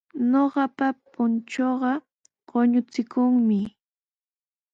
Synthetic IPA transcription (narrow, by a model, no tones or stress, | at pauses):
noɢɑpapʊnt͡ʃoɢɑ | ɢ̥oɲʊt͡sɪkʊŋmɪ